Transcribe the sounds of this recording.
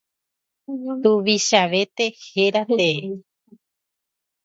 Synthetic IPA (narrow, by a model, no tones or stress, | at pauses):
t̪uʋiʃaʋe̞t̪e̞heɾat̪e̞e